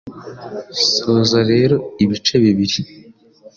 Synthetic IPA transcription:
soːzaɾe̞ːɾo̞iβit͡ʃe̞βiβiɾi

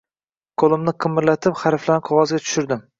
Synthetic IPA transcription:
kʰolˠɪmnɪqʰɨmːɪɾlat̪ʰɪpχaɾflanɪqʰɒʁɒzɡʲat̪ʰʊ̥ʃʊɾd̪ɪm

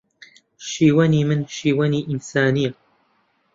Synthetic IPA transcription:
ʃiːwaniːmɪnʃiːwaniːʔɪnsaːnɪjːa

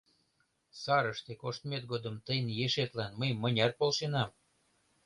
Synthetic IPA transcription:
sɑɾəʃt̪ekoʃt̪met̪̚ɡod̪əmt̪əjənjeʃet̪lænməjmənʲɑrpolʃenɑm

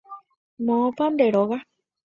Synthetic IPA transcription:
mõpand̪eɾoɣa

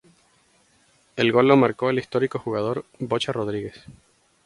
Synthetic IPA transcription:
e̞lɣo̞lːo̞maɾko̞elist̪o̞ɾiko̞xuɣað̞o̞ɾbot͡ʃaro̞ð̞ɾiɣe̞s

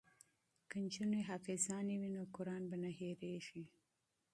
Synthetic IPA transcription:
kənt͡ʃuneɦafɪzɑnewinokʊɾɑnbanaɦeɾeʃi

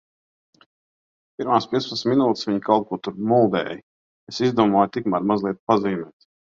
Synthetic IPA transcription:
piɾmaːspiɛspət̪sʲminuːt̪sʋʲiɲkalˠt̪̚kuɔt̪uɾmulˠd̪ɛ̰ːj | esizd̪uɔmɔːjt̪ikmaɾmazlˠiɛt̪̚paziːmʲɛːt̪

